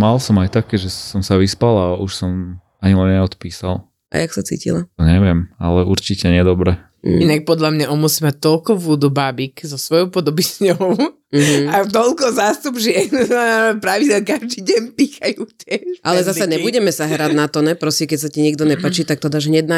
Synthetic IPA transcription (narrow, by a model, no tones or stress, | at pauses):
malsɔmajt̪akɛːʒɛsɔmsaʋispalauʃsɔm | aɲilɛnɲɛɔt̪piːsa̰l | ʔa̰jaksat͡sḭːcḭlaɔɲɛʋɪɛma̰lɛʔuɾt͡ʃicɛɲɪɛd̪ɔbɾɛ | inak̚pɔd̪ʎamɲaʔɔmusimac̚t̪ɔlkɔʋud̪ubaːbikzɔsʋɔjɔʊpɔd̪ɔbiz̥ɲɔʊ | m̩ɦ̩at̪ɔlkɔzaːst̪ubʒɪɛnpɾaʋiɟɛlkaʒd̪iːɟɛɲpiːxajucɛʔalɛzasaɲɛbuɟɛmɛsaɦɾad̪nat̪ɔɲnɛpɾɔsikɛcsatiɲiɡd̪ɔɲɛpat͡ʃit̪ak̚t̪ɔd̪aʒɦɲɛd̪na